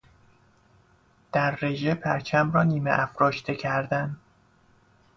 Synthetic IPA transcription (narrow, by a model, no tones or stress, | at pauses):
d̪̥æɾːeʒepʰæɾt͡ʃʰæmrɒːniːmḛʔæfɾɒːʃt̪ʰecʰæɾd̪æn